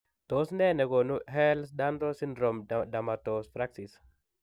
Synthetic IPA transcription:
t̪o˨snɛ˦˨nɛ˨ɡo˨nu˦ɦɛ˦ls̬da˦nd̪o˦si˦ndɾo˨mda˨ma˨t̪o˨spɾa˦ksi˨s

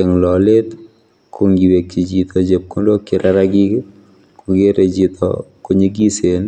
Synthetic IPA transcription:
ɛ˨ŋlɔ˨le˦t̪ | kʰu˨ŋɡi˨we˨kːi˨d͡ʒit̪ɔ˨d͡ʒe˨p̚ku˦ndo˦kɪ˨ɾʔaɾa˦ɡi˦ | ku˨ɡe˦ɾe˨d͡ʒit̪ʰɔ̰ko˦ɲe˦ɡi˦sen

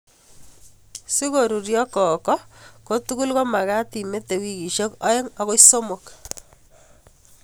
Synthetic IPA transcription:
si˦ɣo˨ɾu˨ɾjɔ˦kɔ˨kɔ˦ko˦tu˦ku˦lko˦ma˨ɣa˦ti˨me˦t̪e˨wi˦ki˨ʃo˦kɔ˦e˦ŋɔɣo˦iso˦mo˨k

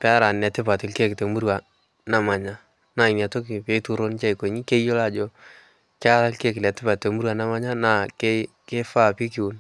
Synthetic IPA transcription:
pa˦ɾa˨nɛ˨tɪ˦pa˨tɪ˨lke˦˨kɪ˨te˨mu˦ɾwa˨ | na˨ma˨ɲa˦ | na˨ɪ˨na˨to˦ki˨pe˦tu˦ɾo˦nt͡ʃa˦i˨ko˨ɲi˦ke˦jo˦la˦˨d͡ʒo˦ | ka˦ɾa˦lke˦kɛ˨tɪ˦pa˨te˨mu˦ɾwa˨na˦ma˦ɲa˦na˨ke˦ke˦fa˦˨pi˦kɪ˨u˨n

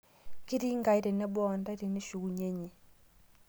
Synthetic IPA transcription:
ki˦ɾi˦ŋɡa˨i˦ɾɛ˨nɛ˦bɔ˦˨nda˦i˦ɾɛ˨nɛ˦ʃu˨ɣu˨ɲe˦ɲe˨

